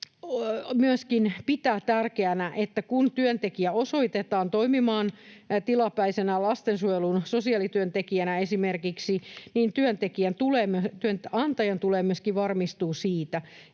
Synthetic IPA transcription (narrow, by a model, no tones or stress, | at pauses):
myøskinpit̪æːt̪ærkeænæʔet̪ːækunt̪yønt̪ekiæosoit̪et̪ɑːnt̪oimimɑːnt̪ilɑpæisenælɑst̪ensuelunsosiɑlit̪yønt̪ekiænæesimerkiksiniːnt̪yønt̪ekiænt̪uleːmyøt̪yønɑnt̪ɑjɑnt̪uleːmyøskiʋɑrmist̪uːsiːt̪æ